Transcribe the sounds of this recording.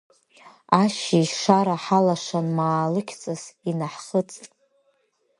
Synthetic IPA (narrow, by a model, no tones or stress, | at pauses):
aʃiʂaɾaħalaʃʷanmaːlɨkʲʰt͡sʼasinaħχət͡sʼtʼ